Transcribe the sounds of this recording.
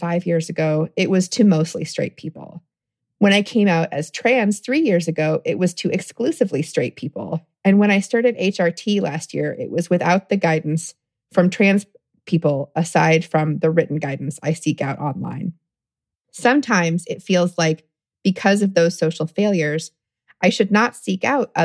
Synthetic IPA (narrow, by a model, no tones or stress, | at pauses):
faɪvjɪɹzɨɡoʊɪʔ̚wʌz̥tʰɨmoʊstˡlḭstɹ̥ḛɪt̚pʰipl̩ˠ | wə̃ñaɪkʰẽɪ̃maʊɾɨ̰z̥tʰɹ̥æ̃nz̥θɹijɪɹzɨɡoʊʔɪʔ̚wʌz̥tʰɨʔɨksklʉsɨvlistɹ̥eɪt̚pʰipl̩ˠ | ɨ̃nwə̃ñaɪstɑɹɾɨɾeɪt͡ʃɑɹtʰilæst̚jɪɹɪ̰ʔ̚wʌzwɨθaʊt̪̚ðɨɡaɪdⁿn̩s | fɹʌ̃mtʰɹ̥æ̃nz̥ | pʰipl̩ˠəsaɪd̥fɹʌ̃mðɨɹɪʔn̩ɡaɪdⁿn̩saɪsikaʊɾʔɑ̰̃nlã̰ɪ̃n | sʌ̃mtʰãɪ̃mzɪtfilˠzlaɪk | b̥ɨkʰʌzʌvðoʊz̥soʊʃl̩ˠfeɪlˠjə˞z̥ | ʔaɪʃɨdⁿnətsika̰ʊɾʌ